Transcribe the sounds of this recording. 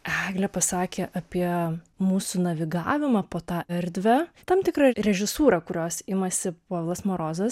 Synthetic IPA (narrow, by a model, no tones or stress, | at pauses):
æːɡlʲɛpɐsɑːkʲeːʔɐpʲiɛ | muːsunɐʋʲɪɡɑ̰ːʋʲɪmɑpoːt̪ɑːɛɾʲd̪ʲʋʲæt̪ɐmt̪ʲɪkrɐɾʲɛʒʲɪsuːɾɐkʊɾʲoːsɪmɐsʲɪpoːlˠɐsmoːɾoːzɐs